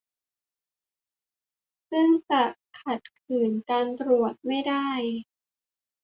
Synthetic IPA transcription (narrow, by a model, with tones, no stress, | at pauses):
sɯ˥˩ŋt͡ɕa˨˩kʰa˨˩t̪̚kʰɯː˩˦nkaː˧nt̪ɾu˨˩ət̪̚ma˥˩jda˥˩j